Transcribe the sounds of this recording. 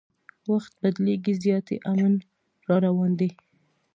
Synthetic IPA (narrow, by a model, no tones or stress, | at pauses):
waxt̪̚bad̪leɡizjɑt̪ḛʔamən | ɾɑɾawɑnd̪e